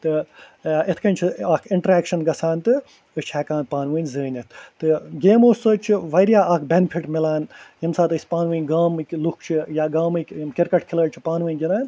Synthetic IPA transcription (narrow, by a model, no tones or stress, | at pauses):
t̪ɨʔɪt̪ʰkɐnʲt͡ʃʰiaːkʰɪɳʈɾeːkʃɐnɡɐsaːnt̪ɨ | ɨt͡ʃʰɛːkãːnpaːnʋɨːnʲzɨːnʲɐt̪ʰt̪ɨɡʲeːmoːsot͡ʃʰiʋɐɾjaːaːkʰbʲenpʰiʈmɪlaːnjimsaːt̪ɨsʲpaːnʋɨːnʲɡaːmɨklukʰt͡ʃʰijaːɡaːmɨkkɪɾkɐʈkʰɪləːɽt͡ʃʰi̥paːnʋɨːnʲɡʲinaːn